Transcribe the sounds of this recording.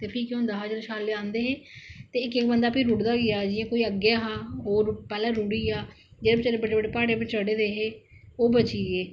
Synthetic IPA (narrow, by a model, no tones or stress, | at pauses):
t̪eːpʰikjõːnd̪aːɦaːd͡ʒəɾʃaːlːeːãːnd̪eːɦeːt̪eːɪkɪkbənd̪aːpʰiɾuɽd̪aːɡɪjaːd͡ʒɪãːkoːiːəɡjaːɦaːɦoːɾpɛːlãːɾuɽiːaː | d͡ʒeːbt͡ʃəebəɖeːbəɖeːpaːɽeːpɪt͡ʃəɽeːd̪eːɦeːoːbət͡ʃiːeː